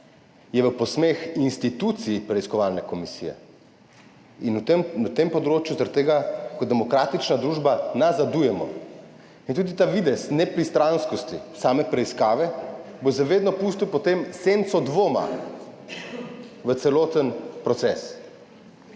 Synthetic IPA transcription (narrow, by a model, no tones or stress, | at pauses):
jɛʋəpɔsmexinst̪it̪ut̪siipɾɛiskɔʋalnɛkɔmisiːjɛ̰ | inut̪mnat̪empɔd̪ɾoːt͡ʃjuzaɾt̪eːɡakɔd̪ɛmɔkɾaːt̪it͡ʃnad̪ɾuːʒbanazad̪ujɛmɔ̰ | int̪uːd̪it̪aʋid̪ɛsnɛpɾist̪ɾanskɔst̪isaːmɛpɾɛiskaːʋɛ | bozɛʋeːd̪nɔpust̪iwpɔt̪emsent̪sɔd̪ʋoːma̰ | ʋət̪sɛloːt̪ənpɾɔt̪sɛs